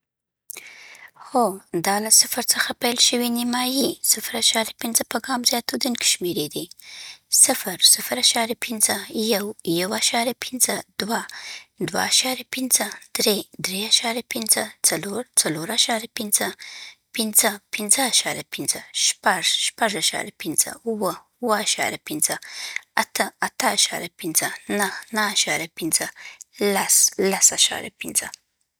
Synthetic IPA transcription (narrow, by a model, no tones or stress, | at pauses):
xod̪ɑlasɪfɾt͡səxapajlʃəwinɪmɑjisɪfɾaʃɑɾjapɪnzəpəɡɑmzjɑt̪od̪unke̥ʃmeɾed̪i | sɪfɾsɪfɾaʃɑɾjapʰinzəjawjawaʃɑɾjapʰɪnzəd̪̥wad̪wa̰ːʃɑɾjapinzəd̪̥ɾed̪ɾeaʃɑɾjapinzət͡sɐloɾt͡sɐloːɾaʃaɾjapinzəpinzəpinzəːʃaɾʲjapinzɐʃpɐʐʃpɐʐaʃa̰ɾjɐpinz̥ə̰uwɐ | wɐaʃa̰ːɾjapinzɐɐt̪ʰəɐt̪ʰaːʃa̰ɾʲjɐpinzənɐhnɐaʃaːɾʲjɐpinzəlɐslɐsaʃa̰ːɾja̰pinzə